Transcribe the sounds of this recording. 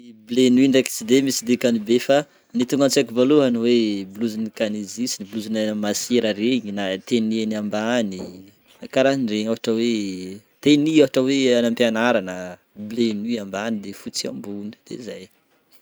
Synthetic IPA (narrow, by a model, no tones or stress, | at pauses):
blenuiɳɖ͡ʐaki̥t͡sid̪emisid̪ekanubefa | nit̪uŋɡant͡siakivaluɦanuwebluzinikanizisinibluzinaanəmaseɾəɾeɲinat̪enianambani | akaɾanireɲaɦaʈ͡ʂəwe | t̪eniaɦaʈ͡ʂəweanampianaɾanə | blenuambanid̪efut͡sia̰mbunə̥d̪̥ḛzaj